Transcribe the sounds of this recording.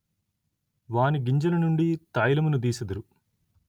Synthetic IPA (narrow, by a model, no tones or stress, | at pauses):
ʋaːniɡiɲd͡ʒɐlɐnuɳɖit̪aːjlɐmunud̪iːsɐd̪uɾu